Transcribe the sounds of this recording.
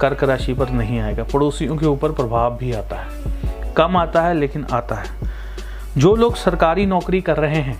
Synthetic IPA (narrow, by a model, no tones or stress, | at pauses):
kɐɾkəɾaːʃipɐɾnɐɦĩaːeːɡaːpɐɽoːsijõkeuːpəɾpɾɐbʱaːʋbʱiaːt̪aɦɛːkɐmaːt̪aɦɛleːkɪnʔa̰ːt̪aɦɛː | d͡ʒoːloːɡsɐɾkaːɾinɔːkɾikɐɾːɐɦeɦɛ̃ː